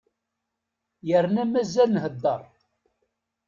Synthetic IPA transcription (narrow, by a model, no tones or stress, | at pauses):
jəɾnæmæzːælnhəd̪ːəɾˤ